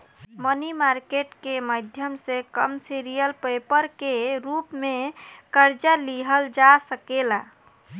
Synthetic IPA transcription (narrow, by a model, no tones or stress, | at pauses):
mənimaɾkeʈkeməd̪ʱjəmsekəmsiɾijəlpəjpəɾkeɾupmekəɾd͡ʒəliɦəld͡ʒasəkela